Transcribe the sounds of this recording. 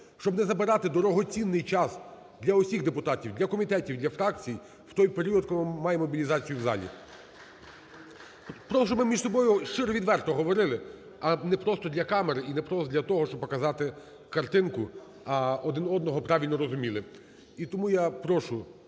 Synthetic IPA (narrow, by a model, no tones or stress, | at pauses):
ʃt͡ʃɔbnɛzɐbɪɾɑt̪ɪd̪ɔɾɔɦɔt͡sʲinːɪjt͡ʃɑs | d̪lʲɐɔsʲiɣd̪epʊt̪ɑtʲiwd̪lʲɐkɔmʲit̪ɛtʲiwd̪lʲɐfɾɑk̚t͡sʲij | wt̪ɔjpeɾʲiɔd̪̚kʊmɪmːɑjemːɔbʲilʲizɑt͡sʲijʊwzɑ̰lʲḭ | pɾɔɔʃt͡ʃɔbmɪmʲiʒsɔbɔjʊʃt͡ʃɪɾɔʋʲid̪ʋɛrt̪ɔɦɔʋɔɾɪlˠɪ | ɐnɛpɾɔst̪ɔd̪ʲlʲɐkɑmeɾɪinɛpɾɔsd̪ʲlʲɐt̪ɔɦɔʃt͡ʃɔb̚pɔkɐzɑt̪ɪ | kɐrt̪ɪnkʊ | ɐɔd̪ɪnɔd̪nɔɦɔpɾɑʋʲilʲnɔɾɔzʊmʲilˠɪ | it̪ɔmujapɾɔʃʊ